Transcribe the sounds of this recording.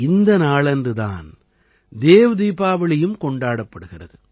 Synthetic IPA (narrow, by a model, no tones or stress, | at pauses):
ɪnd̪ɐnaːɭɐndrɯða̰ːn | d̪eːʋɐðiːbaːʋɐɭɐjɯmkɔɳɖaːɽɐpːɐɽɯɣɪrɐ̰ðɯ